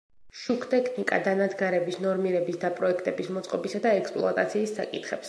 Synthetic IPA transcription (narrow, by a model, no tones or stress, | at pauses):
ʃukʰt̪ʼɛkʰnikʼa̰d̪anad̪ɡaɾɛbisnɔɾmiɾɛbisd̪apʼɾɔɛkʰt̪ʼɛbismɔt̪sʼqʼɔbisad̪aɛkspʼlˠɔ̰at̪ʼat̪sʰiːsːa̰kʼit̪ʰχɛps